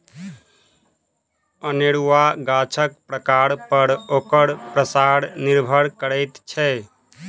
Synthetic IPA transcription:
əneɽuʋaɡat͡ʃʰək̚pɾəkaɾpəɾoːkəɾpɾəsaɽniɾbʱəɾkəɾɛɪt̪t͡ʃʰɛ

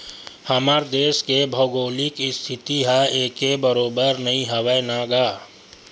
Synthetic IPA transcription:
həmaɾd̪eːskebʱəːɡoːlɪkɪst̪ʰɪt̪iɦaeːkebəɾoːbəɾnɐĩɦəʋəjnaːɡaː

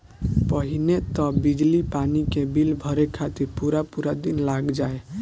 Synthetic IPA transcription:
pəɦinet̪ɔbid͡ʒlipanikebilbʱʌɾekʰat̪iɾpuɾapuɾad̪inlaɡd͡ʒae

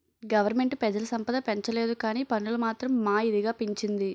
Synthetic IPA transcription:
ɡɐʋɐɾme̞ɳʈpɛd͡ʒɐlɐsɐmpɐd̪ɐpeɲt͡ʃɐleːd̪ukaːniːpɐnːulɐmaːt̪ɾɐmːaːid̪iɡaːpiɲt͡ʃind̪i

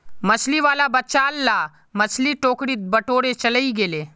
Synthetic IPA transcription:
mɐt͡ʃliʋaːlabɐtːt͡ʃaːlːa | mɐt͡ʃʰliʈoːkɽit̪̚bɐʈoːɽet͡ʃɐləiɡeːleː

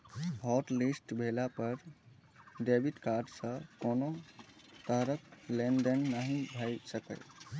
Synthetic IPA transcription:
bʱɔʈlisʈbʱelapəɾ | ɖebiʈkaɾɖsə̃kono | t̪əɦɾəklenɖənːaɦĩbʱəjsəkə̰j

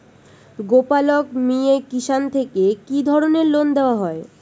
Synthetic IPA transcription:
ɡopalokmiekiʃant̪ʰekekid̪ʱɔɾoneɾlond̪eoaɦɔe

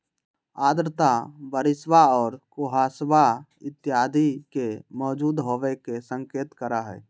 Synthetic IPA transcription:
aːd̪ɾt̪abəɾɪsʋaɔːɾkoɦasbaɪt̪ːjaːd̪ʱikemɔːd͡ʒuːd̪ɦoʋɛkesə̃ŋkeːt̪kəɾaɦɛ̰ː

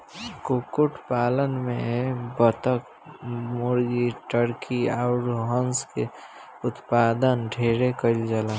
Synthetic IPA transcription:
kukuʈpaːlənmẽbət̪ək | mʊɾɡiʈəɾkʰiaʊɾɦənske | ʊt̪paːd̪ənɖʱeːɾekəɪld͡ʒəla

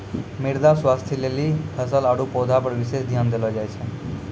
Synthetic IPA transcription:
mɪɾd̪aswaːst̪ʰilelihəs̬əlaɽupoːd̪ʱapəɾʋɪʃeːsd̪ʱjaːnd̪elɔd͡ʒaːjt͡ʃʰɛ

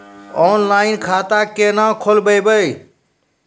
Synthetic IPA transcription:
ɔːnlaːɪnkʰaːt̪aːkeːnãːkʰoːlbəjbəe

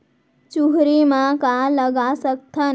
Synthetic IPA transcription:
t͡ʃuɦɾimãkaləɡasək̚t̪ʰan

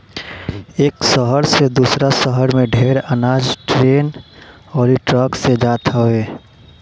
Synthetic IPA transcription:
eːksəɦəɾsed̪uːsɾasəɦəɾmẽɖʱeːɾənaːd͡ʒʈɾeːn | ɔːɾiʈɾəksed͡ʒaːt̪ɦəeː

